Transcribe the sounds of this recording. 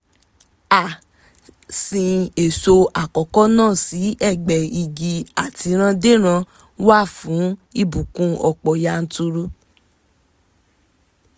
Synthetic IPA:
a˨ | sĩ˧e˨so˧a˨kɔ˨kɔ˦nãː˦˨si˨˦ʔɛ˦˨ɡ͡bɛ˨i˨ɡi˧a˨ti˨˧ɾ̃ã˦de˦ɾ̃ã˧ | wa˦˨fũ˨˦i˦˨bũ˨kũ˦ɔ˧k͡pɔ˨ja˧n̩˧tu˧ɾu˧

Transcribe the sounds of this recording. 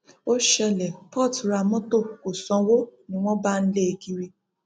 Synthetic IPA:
o˦ʃɛ˧lɛ˨pɔ˦˨tɾa˨˧mɔ̃˦to˦˨ko˨sɔ̃˨˧wo˦nĩ˦w̃ɔ̃˦ba˦n̩˦le˦e˨ɡi˦ɾi˧˦

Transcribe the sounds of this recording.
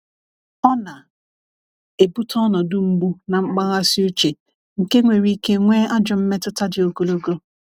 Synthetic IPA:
ɔ˦na˨ | e˨bu˦tʰɔ˦nɔ˨dʊ˦ŋ͡m̩˦ɡ͡bu˦na˨ŋ͡m̩˦k͡pa˦ɣa˦si˦u˦t͡ʃe˨ | ŋ̩˨ke˦ŋʷe˨ɾi˦ke˦ŋʷe˦a˦d͡ʒʊ˨m̩˦me˦tʊ˦ta˦dɪ˨o˨ɡo˨lo˦ɡo˦

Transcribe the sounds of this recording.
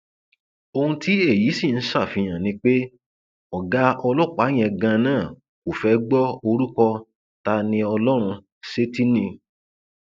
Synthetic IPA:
o˧hũ˧ti˦e˦˨ji˨˦si˦˨n̩˦sa˦˨fĩ˨˧j̃ã˨nĩ˧˦k͡pe˦ | ɔ˨ɡa˦ɔ˧lɔ˦˨k͡pa˨˦j̃ɛ̃˧ɡã˧nãː˦˨ | o˨fɛ˨˦ɡ͡bɔ˦o˧ɾu˦kɔ˧ | ta˧nĩ˧ɔ˧lɔ˦ɾ̃ũ˧ | se˦ti˦nĩ˧

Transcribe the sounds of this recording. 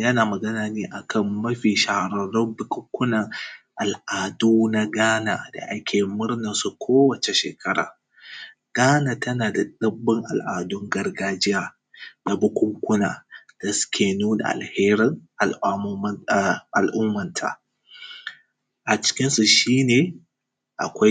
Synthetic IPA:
jɐ˦naː˨mɐ˨ɡɐ˦naː˨neː˦ʔa˨kɐ˦˨mːɐ˦ɸiː˨ʃa˨hɽɐ˨ɽɔ˦mbʊ˦kʷʊ˦ŋkʷʊ˦nɐ˨ŋʔa˨lʔaː˨duː˦na˦ɡaː˦na̰ː˨da̰˨ʔa˦kʲʰeː˨mʊ˦rnɐ˨nsu˨kʷʰoː˦wɐ˨t͡ʃe˨ʃḛː˨kʰɐ˦ɾa̰ː˨ | ɡ̥aː˦naː˨tɐ˦naː˨da˨ɗɐ˦bːɪ˦ŋʔa̰˨lʔaː˨dʊ˦ŋɡɐ˦rɡaː˦d͡ʒɪ˦jaː˨ | na˨bʊ˦kʷʊ˦ŋkʷʊ˦na̰ː˨d̥a˨sʊ̥˦kʲeː˨nuː˦na̰˨ʔa̰˨lheː˦ɾɪ˦ŋʔʔa̰˨lʔʊ˦mːɐ˨ntʰa̰˨ | ʔa˨t͡ʃɪ̥˦kʲɪ˦nsu˨ʃiː˦neː˨ | ʔa̰˨kʷa˦

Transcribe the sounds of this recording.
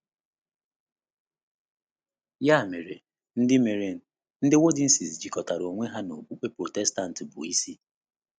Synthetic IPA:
ja˦˨me˨ɾe˨ | n̩˦dɪ˦me˨ɾe˦n̩˦˨ | n̩˦dɪ˦wo˦dɪ˦n̩˦si˨sd͡ʒi˨kɔ˨ta˨ɾo˨ŋʷe˦ɦa˦no˨bu˦k͡pe˦pɾo˨tɛ˦sta˦n̩˨tɪ˨bʊ̰˨i˦si˦

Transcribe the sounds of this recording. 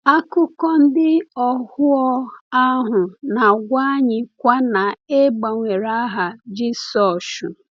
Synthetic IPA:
a˦kʊ˦kɔ˦n̩˦dɪ˦ɔ˨hʊ˦ɔ˦a˦ɦʊ˨na˨ɡʷa˦ɲɪ˨kʷa˦na˨e˦ɡ͡ba˨ŋʷe˨ɾa˦ɦa˨d͡ʒi˦sɔ˨ʃʊ˨

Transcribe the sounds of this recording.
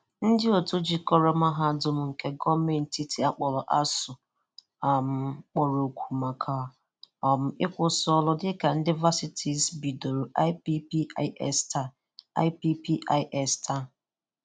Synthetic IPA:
n̩˦dɪ˦o˨tu˦d͡ʒi˨kɔ˦ɾe˦ma˦ɦa˦˨dʊ˨m̩˦ŋ̩˨ke˦ɡɔ˦me˨n̩˨ti˦tʰi˨a˦k͡pɔ˨lɔ˨ʔa˦sʊ˨ | a˨m̩˦k͡pɔ˨ɾo˨kʷʰu˨ma˨kʰa˨ | ɔ˨m̩˨ɪ˦kʷʊ˦sɔ˦lʊ˦dɪ˦ka˨n̩˦dɪ˦va˦si˦tʰi˨sbi˨do˨ɾu˨ʔa˦pi˦pi˦ʔɛ̰˦sta˨ | a̰˦ɪ˦pi˦pi˦ʔa˦ɪ˦ʔɛ˦sta˦

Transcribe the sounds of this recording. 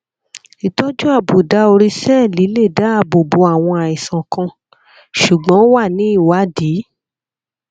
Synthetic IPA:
i˨tɔ˦d͡ʒũ˦a˦˨bu˨da˨˧o˧ɾi˧sɛ˦˨li˨˦le˦˨da˨˦a˦˨bo˨bo˨˦a˨w̃ɔ̃˧a˨i˨sã˨kã˧ | ʃu˨ɡ͡bɔ̃˨˦wa˦˨nĩ˨˦i˦˨wa˨˦di˨˦

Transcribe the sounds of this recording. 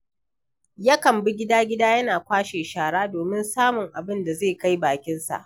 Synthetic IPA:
ja˦kɐ˨mbɪ˦ɡʲɪ˦daː˦ɡʲɪ˦daː˦jɐ˦naː˨kʷaː˦ʃeː˨ʃaː˨ɽaː˦doː˨mɪ˦nsaː˦mʊ˨ŋʔa˨bɪ˦nda˨zeː˦˨ka˦jbaː˨kʲɪ˦nsa̰˨ʔ

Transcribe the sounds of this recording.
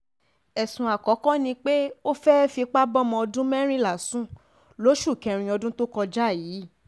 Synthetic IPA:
ɛ˨sũ˨a˨kɔ˨˦kɔ̃˦nĩ˧k͡pe˦o˦fɛ˦fi˧k͡pa˦bɔ˦mɔ̃˧ɔ˧dũ˦mɛ˦ɾ̃ĩ˦la˨sũ˦ | lo˨˦ʃu˦˨kɛ̃˧˨ɾ̃ĩ˧ɔ˧dũ˦to˦kɔ˧d͡ʒa˦˨jiː˨˦

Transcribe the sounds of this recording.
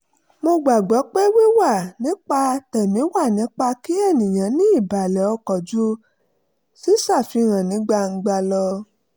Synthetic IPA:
mo˧ɡ͡ba˨ɡ͡bɔ˨˦k͡pe˦wi˦wa˦˨nĩ˨˦k͡pa˧tɛ˨mĩ˨˦wa˦˨nĩ˨˦k͡pa˧ki˦ɛ˦˨nĩ˨j̃ã˨˦nĩ˦i˦˨ba˨lɛ˨ɔ˧kɔ˨d͡ʒu˦ | si˦sa˦˨fi˧ɾ̃ã˨nĩ˨˦ɡ͡ba˧ŋ̩˧ɡ͡ba˧lɔ˧

